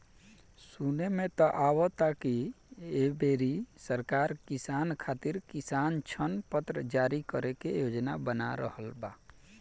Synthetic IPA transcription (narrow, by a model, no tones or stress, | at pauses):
sunemẽt̪ɔʔawɔt̪akiebeɾisəɾkaɾkisankʰat̪iɾkisant͡ʃʰənpət̪ɾəd͡ʒaɾikəɾekejod͡ʒnabəna̰ɾə̰həlba